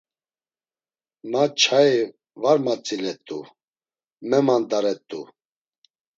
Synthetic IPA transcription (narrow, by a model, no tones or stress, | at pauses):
mat͡ʃʰaj | vaɾmat͡sʼilɛt̪ʼu | mɛmand̪aɾɛt̪ʼːu